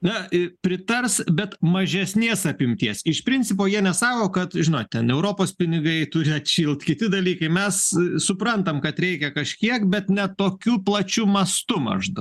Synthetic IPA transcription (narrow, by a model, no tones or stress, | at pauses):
nɐɪpʲɾʲɪt̪ɐrsbʲɛt̪mɐʒʲɛsʲnʲeːsɐpʲɪmʲt̪ʲiɛsɪʃpʲɾʲɪnʲt͡sʲsʲɪp̬oːjiɛnʲɛsɑːkoːkɐt̪ʒʲɪnoːttʲɛnɛʊɾoːpoːspʲɪnʲɪɡɐɪt̪ʊɾʲɪɐt̪ʃʲiːlˠt̪kʲɪt̪ʲɪd̪ɐlʲiːkɐɪmʲɛssʊpɾɐnt̪ɐmkɐt̪ɾʲɛɪkʲɛkɐʃʲkʲiɛkbʲɛt̪nʲɛt̪oːkʲuːplˠɐt͡ʃʲuːmɐst̪ʊmɐ̰ʒd̪ɐ